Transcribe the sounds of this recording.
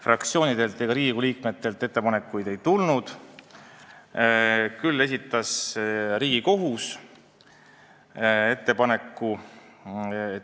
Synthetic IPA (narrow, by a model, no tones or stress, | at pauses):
frɑkt̪sio̞ːnid̪̥e̞lt̪ːˑeɡ̥ɑɾiːiɡuliːkme̞t̪ːˑe̞lt̪ˑːe̞t̪ːe̞pɑne̞kːˑujd̪̥e̞jt̪ulnud̪̥ | kylːe̞s̬it̪ːˑɑsɾiːɡ̥iko̞ɦus | e̞t̪ːe̞pɑne̞kˑːu | e